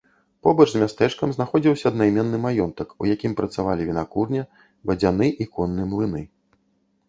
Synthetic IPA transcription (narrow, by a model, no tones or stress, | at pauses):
pɔbɐt͡ʂzʲmʲast̪ɛt͡ʂkɐmznaxɔd͡zʲiwsʲɐːd̪najmʲɛnːɨmajɔnt̪ɐkṵjakʲimpɾɐt̪savalʲivʲinakurnʲɐ | bɐd͡zʲanɨʔikɔnːɨmlˠɨnɨ